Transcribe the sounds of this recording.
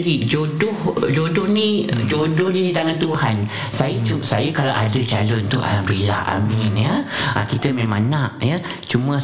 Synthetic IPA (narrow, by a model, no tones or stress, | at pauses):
ɡid͡ʒodʊhd͡ʒodʊhnid͡ʒodʊhnidit̪aŋant̪uhan | sajət͡ʃusajəkalawʔa̰dət͡ʃalɔnt̪uʔa̰ambɾilaha̰minjəə̰kit̪əmẽmãnaʔjə | t͡ʃumə